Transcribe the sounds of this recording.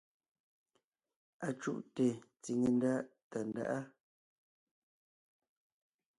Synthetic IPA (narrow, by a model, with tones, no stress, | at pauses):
a˨t͡ʃṵ˦ʔte˨t͡si˨ŋe˨n˦da˦ʔta˨nda̰˦ʔa˦